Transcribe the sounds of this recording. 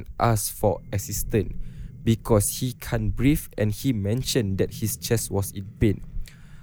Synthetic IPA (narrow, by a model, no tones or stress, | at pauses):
nʔasfɔʔɛsistə̃nbikʰɔshikʰãnbɹifɛ̃nhimɛ̃nʃə̃ndɛt̚hist͡ʃɛswɔsĩnpẽn